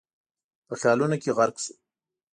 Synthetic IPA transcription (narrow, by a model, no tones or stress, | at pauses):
pəxjɑlunokeɣaɾksu̥